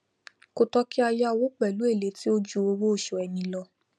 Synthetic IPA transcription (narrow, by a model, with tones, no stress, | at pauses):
ko˧tɔ˦ki˦a˧ja˦˧wo˦k͡pɛ˨lu˦e˦˨le˨˦ti˦o˦d͡ʒu˧o˧wo˦o˦˨ʃo˧ɛ˧nĩ˧lɔ˧